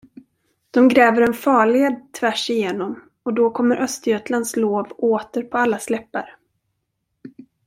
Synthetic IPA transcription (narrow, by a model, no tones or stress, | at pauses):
d̪̥ɔmɡɾɛːvəɾɛnfɑːɭed̪̚t̪ʰvæʂɪjeːnɔm | ɔd̪ɔkʰɔmːəɾʔœst̪əjøːt̪land̪sloːvoːt̪əɾpʰɔalːaslɛpːa̰ɾ